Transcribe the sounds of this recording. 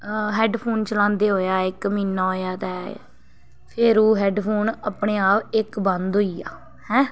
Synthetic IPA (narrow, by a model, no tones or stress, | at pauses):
ɦɛːɖpʰoːnt͡ʃəlãːnd̪eːɦoːjaːɪkmiːnːaːɦoːjaːt̪ɛ̃ː | pʰɪɾoːɦɛːɖpʰoːnaːpɳeːaːpɪkbə̃nd̪ɦoːiːaː | hɛ̃ː